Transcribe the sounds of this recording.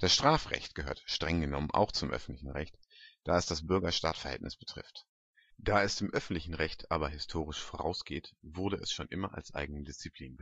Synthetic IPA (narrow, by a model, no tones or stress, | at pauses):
d̥asʃtʁ̥aːfʁɛ̰çt̚ɡ̥əhø̰ːɐtʃtʁ̥ɛŋɡənɔmənʔa̰ʊxt͡sʊmʔœ̰fn̩tlɪçn̩ʁɛçt | d̥aːɛsd̥asb̥ʏɐɡɐʃtaːtfɛɐhɛ̰ltnɪsb̥ətʁ̥ɪ̰ft | d̥aːɛsd̥eːmʔœfn̩tlɪçn̩ʁɛçtʰʔaːbɐɦɪstʰoːʁ̞ɪʃfoʁa̰ʊsɡ̥eːtvʊɐdəʔɛsʃoːnʔɪmɐʔa̰lsʔa̰ɪɡŋ̩nədɪst͡sipʰl̥iːnbə